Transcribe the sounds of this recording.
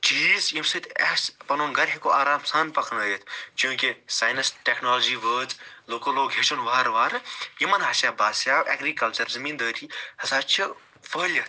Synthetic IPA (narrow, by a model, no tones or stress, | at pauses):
t͡ʃiːzjimsɨt̪ɛspɐnoːnɡɐɾɦikoʔaːɾaːmsaːnpɐkʰnɐːjet̪ʰt͡ʃjũːkesaːjnɐsʈeknoːld͡ʒiːʋəːd͡zloːkoːloːɡɦeʃunʋaːɾʋaːɾjimɐnɦɐsʲjaːbaːsjaːɛːɡɾiːkɐlt͡ʃɐɾzɐmiːnd̪əːt̪ʰihɐsaːt͡ʃʰi | ʋəːlʲɐt̪